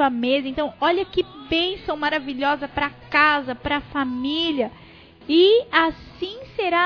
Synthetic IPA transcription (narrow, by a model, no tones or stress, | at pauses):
uɐmezɐẽnt̪ɐ̃w̃ɔʎɐkɪbẽsɐ̃w̃maɾaviʎɔzɐpɾɐkazɐpɾɐfamiʎɐ | ɪasĩseɾa